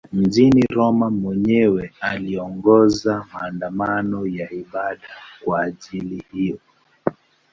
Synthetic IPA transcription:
m̩ʄiniɾɔmamwɛɲɛwɛaliɔŋɡɔzamaːndamanɔjaiɓaɗakwaːʄilihijɔ

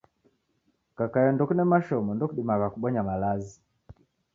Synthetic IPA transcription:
kakajɔndɔkunɛmaʃɔmɔndɔkuɗimakakuɓɔɲamalazi

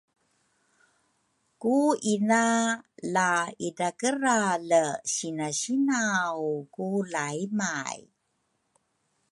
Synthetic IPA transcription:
kuinalaidakəɾaləɕinaɕinawkulaimaj

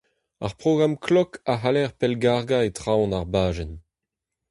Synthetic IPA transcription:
a̰ʁpʁoɡʁamkʰlɔkaɦalɛʁpɛlɡaʁɡaetʁaw̃naʁbaːʒɛn

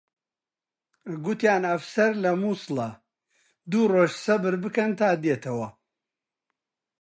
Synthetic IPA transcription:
ɡʊt̪jaːnɐfsɐɾlɐmusɨlɐ | d̪uːroːʒsɐbɨɾbɨkɐnt̪ʰaːd̪jet̪ʰɐwɐ

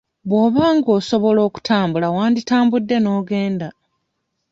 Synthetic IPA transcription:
βwo̞ːβaːŋɡoːso̞βo̞lo̞ːku̥tʰaːmbulawaːnditaːmbudːe̞no̞ːɡe̞ːnda

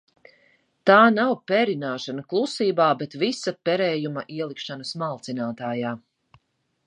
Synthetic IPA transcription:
t̪aːnawpɛɾinaːʃanɐklˠusiːbaːbɛt̪visɐpɛɾɛːjumɐʔiɛlˠikʃanɐsmalˠt̪sinaːt̪aːjaː

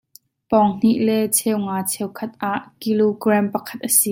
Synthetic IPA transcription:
pɔŋn̥iʔlɛt͡sʰɛwŋaːt͡sʰɛwkʰɐt̪̚ʔaʔkiloɡrampɐkʰɐ̥t̪̚ʔəsiː

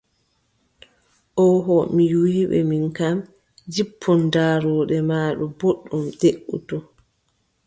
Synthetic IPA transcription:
ʔɔɦɔmiwiːɓɛ̰minkam | d͡ʒipʰːɔndaːɾɔːɗɛmaːɗɔboɗːumdeʔːṵtɔ

